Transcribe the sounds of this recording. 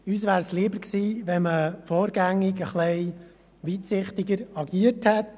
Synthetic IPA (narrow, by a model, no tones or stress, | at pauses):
yːsʋæːɾsliːbəɾksiːʋɛnməfoːɾɡæŋːɪɡəχlɛɪ | ʋiːt̪sɪχt̪ɪɡəɾɑɡiəthɛt